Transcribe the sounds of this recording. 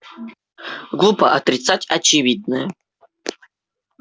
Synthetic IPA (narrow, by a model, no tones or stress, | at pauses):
ɡlˠupəʔɐt̪ɾʲɪt̪satʲɐt͡ʃɪvʲid̪̚nɨjə